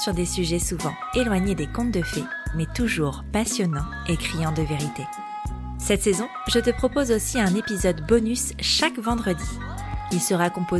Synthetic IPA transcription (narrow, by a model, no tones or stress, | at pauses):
syʁd̪esyʒɛsuvɑ̃ | elwaɲed̪ekɔ̃t̪̚d̪əfɛmɛt̪uʒuːʁpasjɔnɑ̃ | ekχijɑ̃d̪əveʁit̪e | sɛt̪sɛzɔ̃ | ʒət̪əpχɔpozosiɛ̃nepizɔd̪bɔnys | ʃakvɑ̃d̪ʁəd̪i | ilsəʁakɔ̃po